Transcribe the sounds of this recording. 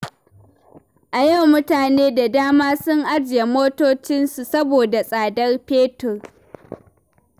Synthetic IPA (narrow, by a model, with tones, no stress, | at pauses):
ʔa˨jɐ˦˨wmʊ˦taː˨neː˦da˨daː˦maː˦sʊ˦ŋʔa˦d͡ʒɪ˨je˨moː˦toː˦t͡ʃɪ˦nsu˨sɐ˦boː˨da˨sʼaː˨dɐ˦rpeː˦tʊ˨r